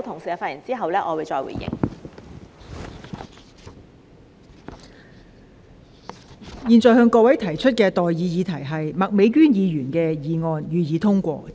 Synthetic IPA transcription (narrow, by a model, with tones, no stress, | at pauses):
t̪ʰʊ˨ŋsiː˨aː˨˧fa˧t̚jɪ˨˩ŋt͡siː˥ɦɐ˨wlɛː˥ʔɔː˨˧wu˨jt͡sɔː˧jwṵ˨˩jɪ̰˨˩ŋ | jiː˨˧nt͡sɔː˨˩ɦœː˧ŋkɔː˧wɐ˨˥jt̪ʰɐ˨˩jt͡ʃʰɵ˥t̚kɛː˧t̪ɔː˨jjiː˨˧jiː˨˧t̪ʰɐ˨˩jɦɐ˨jmɐ˨k̚me˨˧˥jkyː˥njiː˨˧jyː˨˩nkɛː˧jiː˨˧ŋɔː˧njyː˨˧jiː˨˧˥t̪ʰʊ˥ŋkʷɔ̰ː˧